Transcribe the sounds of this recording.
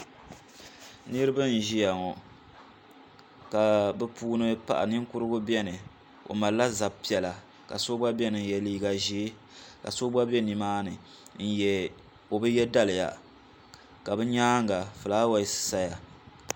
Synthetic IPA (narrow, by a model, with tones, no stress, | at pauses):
nɨ˦ɾɨ˦bɨ˦n̩˨ʒi˦ja˨ŋɔ˨ | ka˨bɛ˦puː˦nɨ˦pa̰˨ʔa̰˨nɨ˦ŋ˦kʊ˦ɾɨ˦ɡʊ˦bɛ˦nɨ˨ | o̰˨ma˨la˦za˨bpi˨ɛ˨la˨ | ka˨so˦ba˦bɛ˦nɨ˨n˨jɛ˨liː˦ɡa˨ʒiː˦ | ka̰˨so˦ba˦bɛ˦ni˨maː˦nɨ˨ | n̩˦jɛ˨ | o˨bɨ˦jɛ˦da˦lɨ˨ja̰˨ | ka˨bɨ˦ɲaː˦ŋ˨ɡa˨fɨ˨laː˦wa˨sɨ̥˨sa˦ja˨